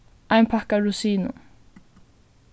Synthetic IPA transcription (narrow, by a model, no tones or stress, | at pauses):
ʔajmpʰahkaɹusiːnʊ̰